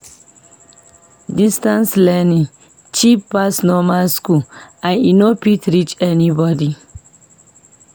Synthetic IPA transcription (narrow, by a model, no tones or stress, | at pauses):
distãnslɛnĩŋ | t͡ʃipːasnɔmalskuãninopitɹit͡ʃɛnibɔdi